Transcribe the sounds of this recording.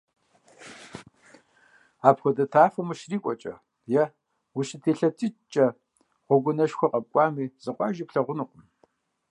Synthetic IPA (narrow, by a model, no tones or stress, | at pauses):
aːpxʷɔdɐtʰaːfɐmɨʃriːkʷʼɔt͡ʃʼɐ̰ | jɛ | wʊɕʼɪtʰeːɬɐtʰʼɪt͡ʃʼɐ | ʁʷɔɡʷʊnɐʃxʷɔqʼɐp̚kʷʼɑːmiːz̥ɨqʷʼɑːʒipɬɐʁʷʊnuqʷʊm